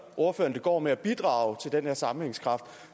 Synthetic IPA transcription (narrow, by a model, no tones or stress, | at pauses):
ʔo̝ɐføːɐnd̥e̝ɡ̥ɒ̰ːmeæb̥id̥ʁɑ̈ʊt͡sʰe̝ld̥enheɐsɑ̈mm̩heŋskʰʁɑ̈fd̥